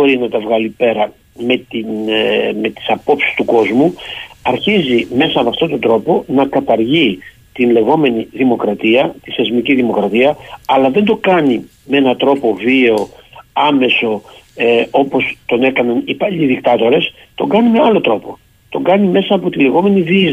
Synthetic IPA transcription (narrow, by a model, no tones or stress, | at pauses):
boɾinɐt̪ɐvɣɐlipe̞ɾɐ | me̞t̪inme̞t̪i̥sɐpo̞psist̪uko̞zmuɐɾçizime̞sɐːmɐft̪o̞t̪o̞nd̪ɾo̞po̞nɐkɐt̪ɐɾʝi | t̪inle̞ɣo̞me̞niðimo̞kɾɐt̪iɐt̪iθe̞zmiciðimo̞kɾɐt̪iɐɐlɐðe̞nd̪o̞kɐni | mee̞nɐt̪ɾo̞po̞vieo̞ɐme̞so̞ | o̞po̞st̪o̞ne̞kɐnɐnipɐʎiðikt̪ɐt̪o̞ɾe̞s | t̪o̞ɡɐnime̞ɐlo̞t̪ɾo̞po̞ | t̪o̞ɡɐnime̞sɐːpo̞t̪ile̞ɣo̞me̞niviz